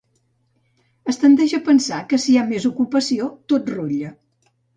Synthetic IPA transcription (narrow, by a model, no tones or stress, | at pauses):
əst̪ənd̪ɛʒəpənsakəsiamezukupəsiot̪ot̪ruʎə